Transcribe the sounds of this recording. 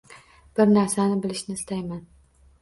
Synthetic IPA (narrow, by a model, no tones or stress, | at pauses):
b̥ɪɾnaɾsanɪbɪlɪʃnɪst̪ʰajman